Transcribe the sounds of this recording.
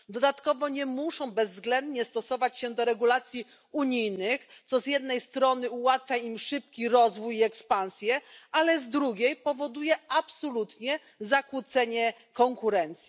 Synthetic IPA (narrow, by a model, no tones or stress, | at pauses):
d̪ɔd̪at̪kɔvɔɲɛmuʂɔ̃w̃bɛzːɡlɛnd̪ɲɛst̪ɔsɔvat͡ɕɕɛd̪ɔɾɛɡulat̪sʲji | uɲijnɘxt̪sɔzʲjɛd̪nɛjst̪ɾɔnɘuwat̪fʲjaimʂɘp̚kʲiɾɔzvujiɛkspañsʲjɛalɛzd̪ɾuɡʲejpɔvɔd̪ujɛʔapsɔlut̪ɲɛ | zakwut̪sɛɲɛ | kɔŋkuɾɛnt̪sʲji